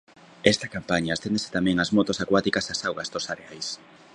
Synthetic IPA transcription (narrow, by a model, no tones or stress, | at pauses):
ɛst̪ɐkampaɲaːst̪end̪ese̥t̪amɛ̃ŋazmot̪osakwat̪ikasasawɣɐzd̪osaɾeajs